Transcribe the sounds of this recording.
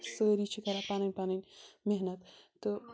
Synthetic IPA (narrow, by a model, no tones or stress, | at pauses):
səːɾit͡ʃʰikɐɾapanɐnʲpanɐnʲmeɦnɐt̪ː | ɨ